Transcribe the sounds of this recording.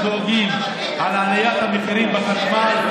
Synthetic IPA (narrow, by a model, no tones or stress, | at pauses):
zoɡim | alaːlajat̪hamiχiɾimbaχaʃmal